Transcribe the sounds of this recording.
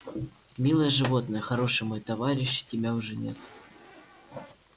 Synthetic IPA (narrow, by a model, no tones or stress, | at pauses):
mʲilˠəjəʐɨvo̞t̪nəjəxɐɾo̞ʂɨjmojt̪ɐvaɾʲɪɕːtʲɪbʲaʊʐɛnʲe̞̰t̪